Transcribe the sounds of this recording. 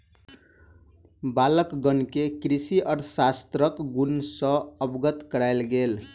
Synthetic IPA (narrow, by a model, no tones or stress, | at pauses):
baləkɡənkekɾisiəɾsast̪ɾəkɡunsʌ̃əbɡət̪kəɾajlɡel